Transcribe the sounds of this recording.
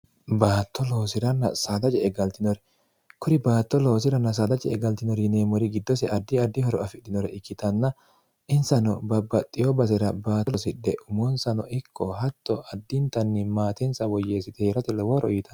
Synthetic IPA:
baːt̪ːɔlo̞ːsɪɾɐnːɐ̰saːd̪ɐt͡ʃʼɛɛɡɐlt̪ɪnɔɾɛ̥ | kʊɾɪbaːt̪ːɔloːs̬ɪɾɐnːɐs̬aːd̪ɐt͡ʃɛɛɡɐlt̪ɪnɔɾɪneːmɔɾɪɡɪd̪ːɔsɛʔɐd̪ːɪɐd̪ːɪhɔɾɔɐfɪd̪ɪnɔɾɛɪkːɪt̪ɐnːɐ | ʔɪnsɐnɔbɐbːɐt̪ʼːɪjɔbɐsɪɾɐbaːtlɔsɪᶑɛʔʊmɔnsɐnɔʔɪkʰːɔɦɐt̪ːɔʔɐd̪ːɪnt̪ɐnːɪmaːt̪ɛnsɐwɔjːeːsɪt̪ɛheɾɐt̪ɛlɔwɔɾɔjɪt̪ʰɐ̥n

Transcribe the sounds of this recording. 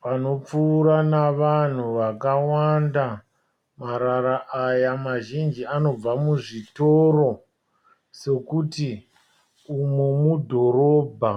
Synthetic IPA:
pano̞p͡fuːɾanaʋan̤uʋakawanda | maɾaɾaʔajamaʒind͡ʒiano̞b͡vamuʐitoɾo̞ | se̞kuti | umemudʱo̞ɾoːbʱa

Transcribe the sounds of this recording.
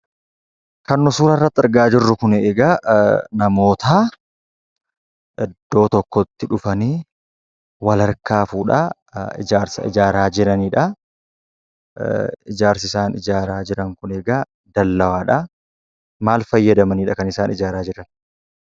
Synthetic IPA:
kɐnːʊsuːɾɐrːɐt̪ːɪɾɡaːd͡ʒɪrːʊkʊneːɡanɐmo̞ːt̪aː | ʔɛd̪ːo̞ːt̪ɔkːɔt̪ːɪᶑʊfɐniː | wɐlɐɾkaːfuːᶑɐ̰ | ɪ̰d͡ʒaːɾsɐ̰ɪ̰d͡ʒaːɾaːd͡ʒɪɾɐniːᶑɐ | ɪd͡ʒaːɾsɪsaːnɪd͡ʒaːɾaːd͡ʒɪɾɐŋkʊneːɡa | d̪ɐlːɐwaːᶑɐ | maːlfɐjːɐd̪ɐmɐniːᶑɐkɐnɪsaːnɪd͡ʒaːɾaːd͡ʒɪɾɐn

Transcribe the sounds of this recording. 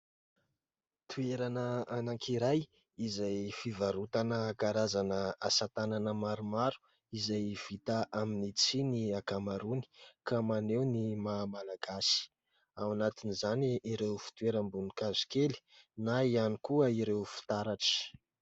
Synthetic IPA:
t̪ʰueɾanəanaŋkʰiɾaj | izajfivaɾut̪anəkaɾazanəasat̪ananəmaɾumaɾu̥ | izajv̥it̪aʔaminit͡siniakamaɾuni̥kamanewnimamalaɡ̥asi̥ | awanat̪inizaniʔiɾewfi̥t̪ueɾambunikazi̥keli̥naianikuəiɾewfi̥t̪aɾaʈ͡ʂi̥

